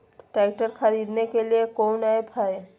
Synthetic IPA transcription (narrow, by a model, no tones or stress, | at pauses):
ʈɛɪʈəɾkʰəɾiːd̪nekeliekonaepʰae